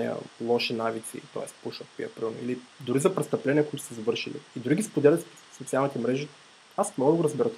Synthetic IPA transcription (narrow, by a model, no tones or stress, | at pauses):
iə̰lˠɔʃinavit̪sḭt̪ɔ̰ɛ̰spuʃət̪̚pḭɐ̰pɾunḭli | d̪uɾizɐpɾɛt̪st̪ɐplɛnʲiəkʊit̪ʊ̥sɐzɐvɤɾʃḭlḭːd̪ɾuɡʲispod̪ɛlɛt̪si | sot̪sialˠnit̪ɛmɾɛʒi | asmnɔɡəɡoɾɐzbɛɾət̪